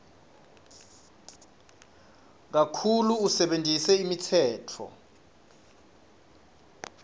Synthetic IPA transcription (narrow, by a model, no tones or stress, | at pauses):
k̬akʰuluːsɛɓendʱʼisɛimitʰɛːtʰɔ̰